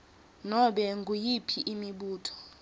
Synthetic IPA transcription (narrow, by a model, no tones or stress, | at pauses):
nɔɓɛŋɡʱujipʰiʔimiɓuːtʰɔ̥